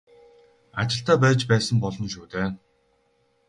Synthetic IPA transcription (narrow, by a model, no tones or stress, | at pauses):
a̰t͡ɕɪ̆ɬt̪aːpæːt͡ɕpæːsə̆mpɔɮɞ̆nʃuːt̪eː